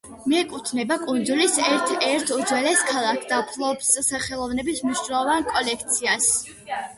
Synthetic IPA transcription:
miɛkʼut̪ʰnɛbakʼund̪zulisɛɾt̪ʰɛɾt̪ʰud̪zwɛlɛskʰalˠakʰd̪apʰlˠɔbssaχɛlˠɔvnɛbismniʃnaɔvankʼɔlɛk̚ʰt̪sʰias

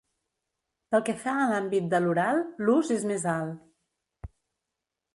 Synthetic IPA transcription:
pəlˠkɛfaəlambit̪̚d̪əluɾalˠluzezmezalˠ

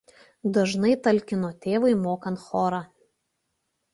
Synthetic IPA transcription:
d̪ɐʒnɐɪt̪ɐlʲˑkʲɪnoːt̪ʲeːʋɐɪmoːkɐnt̪xoːɾɑː

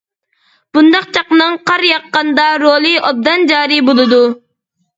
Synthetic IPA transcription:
b̥und̪ɑq̚t͡ʃʰɑqnɨŋqʰɑɾjɑqːɑnd̪ɑɾoːlˠɨɑb̚d̪ɑnd͡ʒɑːɾibolˠɨd̪u

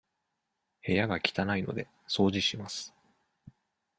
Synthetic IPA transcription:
he̞jaɡakʲi̥t̪anaino̞̰d̪e̞ | so̞ːd͡ʑiɕimasɨ̥

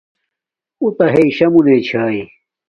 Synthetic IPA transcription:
ut̪ɐɦeiɕɐmuneːt͡ɕʰaːi

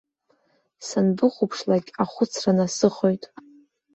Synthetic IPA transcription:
sanbɨχʷʊpʰʂlaɡʲaχʷʊt͡sʰranasɨχo̞jtʼ

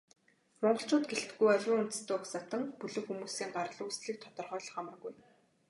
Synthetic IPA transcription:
rʊɴɢɞ̆ɬt͡ɕʊːt̪ɡeɬt̪ɘ̆ɡujɔɮʲwʊːŋun̥t̪ɘ̆st̪ɘːksat̪ə̆ŋpɵɮɵ̆kxumuːsiːŋɢarə̆ɮʊːsɮiːk̚t̪ʰɔt̪ɞ̆rχœːɮɞ̆χamə̆rɣuj

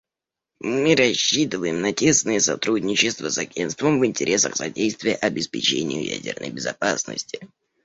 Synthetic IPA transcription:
mɨɾɐɕːit̪ɨvəjɪmnətʲe̞snɨjəsɐt̪ɾudʲnʲɪt͡ɕɪst̪vəsɐɡʲenst̪vəmvɨnʲtʲɪɾʲʔe̞sə̰xsɐ̰dʲejst̪vʲɪjəʔɐbʲɪspʲɪt͡ɕenʲɪ̰jʊjæ̰dʲɪ̰rnə̰jbʲɪzɐpasnə̰sʲtʲɪ̥

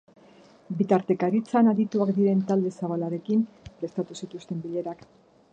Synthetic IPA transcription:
bit̪aɾt̪e̞kaɾit͡sanaðit̪uakd̪iɾe̞nt̪ald̪e̞saβ̞alaɾe̞kim | pɾe̞st̪at̪usit̪ust̪e̞mbiʎe̞ɾak

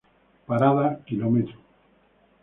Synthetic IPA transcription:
paɾaðakilomet̪ɾu

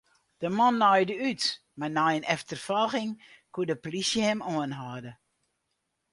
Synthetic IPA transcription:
d̥əmɔnːɔjdəyt | manajənʔɛftərfɔlˠxɪŋkuədəplisjəhɛmoənɦaːdə

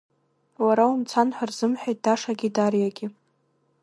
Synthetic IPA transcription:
waɾaumt͡sʰanħʷarz̥ɨmħʷᶣajt̚d̥aʂaɡʲidarjaɡʲɪ

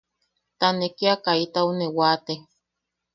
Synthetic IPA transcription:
t̪anekiakait̪aunewat̪e

